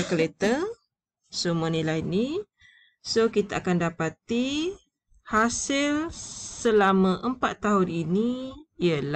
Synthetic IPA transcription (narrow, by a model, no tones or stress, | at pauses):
kəlet̪ə | sumənilajni | sokit̪aːkandapat̪i | hasɪlsəlamãʔəmpat̪ːaɦʊniniiəla